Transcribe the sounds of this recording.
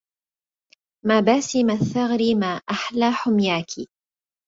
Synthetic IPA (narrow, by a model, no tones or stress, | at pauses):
maːbaːsimaθːaɣɾimaːʔaħlaːħʊmjaːkʰi